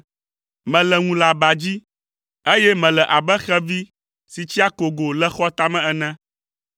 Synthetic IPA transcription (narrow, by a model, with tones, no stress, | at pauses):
mɛ̃˨lɛ˨ŋũ˨la˨ba˨d͡ʑi˦ | e˦jɛ˦mɛ̃˨lɛ˨ʔa˨bɛ˦xɛ˦vi˦ | si˨t͡ɕi˦a˦ko˨ɡo˨lɛ˦xɔ˦t̪a˦mɛ̃˦ɛ˨nɛ̃˦